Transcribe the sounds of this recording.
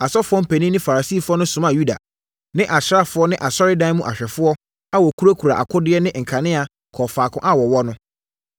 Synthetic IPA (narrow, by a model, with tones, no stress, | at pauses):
a˨sɔ˦fʊ˦ɔ˦m̩˨pʰɛ˨nĩ˦nɪ̃˦fa˨ɾa˨si˦˨fʊ˦ɔ˦nʊ̃˦sʊ̃˨mã˨ju˦da̰˨ | nɪ̃˦ʔa˨ɕɾa˦fʊ˦ɔ˦nɪ̃˦ʔa˨sɔ˦ɾɪ˦dã˦mũ˦ʔa˨ɕᶣɛ˨fʊ˦ɔ˦ | a˦wɔ˨kʰu˦ɾo˦kʰu˨ɾa̰˨ʔa̰˨kʰʊ˦dɪ˦ɛ˦nɪ̃˦˨ŋ̩˨kʰa˨nɪ̃˦a˨ | kʰɔ˨faː˨kʰʊ̃˦ʔa˦wɔ˨wɔ˦nʊ̃˦